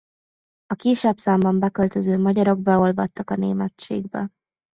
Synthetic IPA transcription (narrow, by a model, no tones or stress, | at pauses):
ɒkiʃɛpsaːmbɒmbɛkølt̪øzøːmɒɟɒɾo̞ɡ̚bɛo̞lvɒt̪ːɒkɒneːmɛt̪t͡ʃḛːɡbɛ